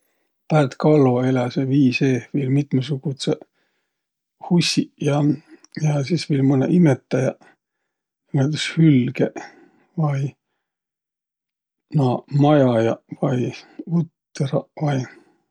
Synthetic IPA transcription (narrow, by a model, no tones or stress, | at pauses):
pæːt̪kɑlːoelɑseviːseːviːlmit̪mɑsuɡ̥ut̪se | husʲijɑjɑsisviːlmɤnḛʔimet̪ːˑɑjɑ | imet̪eshylɡe | vɑj | nɑmɑjɑjɑvɑjut̪ːerɑvɑj